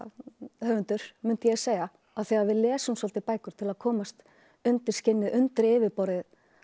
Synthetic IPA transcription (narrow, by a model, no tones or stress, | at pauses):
hœːvʏnt̪ʏɾ̥mʏn̥t̪ɪjɛseːjɣa | aðθɛɣaɾvɪðlɛːsʏmsɔlt̪ɪpaːjkʏɾ̥t̪ʰɪlaðkʰɔːmast̪ | ʏnt̪ɪɾ̥scɪnːɪðʔʏnt̪ɪɾɪːvɪɾpɔɾɪð